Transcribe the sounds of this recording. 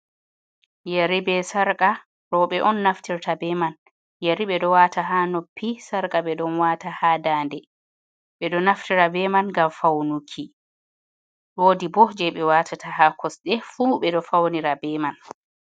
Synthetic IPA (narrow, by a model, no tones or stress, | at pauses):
jaɾibɛsaɾka | ɾɔɓɛʔɔnːaftiɾtabɛman | jaɾiɓɛɗɔwaːtaɦanopʰːisaɾkʼaɓɛɗɔnwaːtahaːdandɛ | ɓɛɗɔnaftiɾabɛmanŋɡamfawnukʰi | ɗoːdibɔhd͡ʒɛɓɛwatʰatʰahakʰɔsɗɛfuːɓɛɗɔfawniɾabɛman